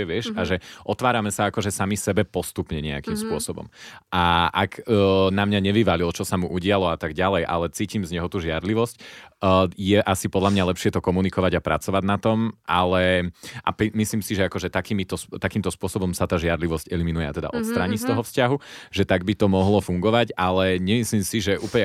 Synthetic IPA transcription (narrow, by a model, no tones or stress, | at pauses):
ɛʋɪɛʃaʒɛʔɔt̪ʋaːɾamɛsaakɔʒɛsamisɛbɛpɔst̪upɲɛɲɛa̰kimspʊɔsɔbɔ̰mʔaʔaɡnamɲaɲɛʋiʋalilɔt͡ʃɔsamuʔuɟɪalɔat̪aɡɟalɛjʔa̰lɛt͡siːcimzɲɛɦɔt̪uːʒɪaɾliʋɔscː | jɛʔasipɔd̪lamɲalɛpʃɪɛt̪ɔkɔmunikɔʋaɟapɾa̰t͡sɔʋaɟnat̪ɔmʔalɛʔa̰pimisliːmsiʒɛakɔʒɛt̪akiːmit̪ɔst̪akiːmt̪ɔspʊɔsɔbɔmsat̪aːʒɪaɾliʋɔscɛliminujɛat̪ɛd̪a̰ʔɔt̪st̪ɾaːɲist̪ɔɦɔfscaɦuʒɛt̪aɡ̚bit̪ɔmɔɦlɔfuŋɡɔʋaɟalɛɲɛmislimsiʒɛʔuːplɲɛ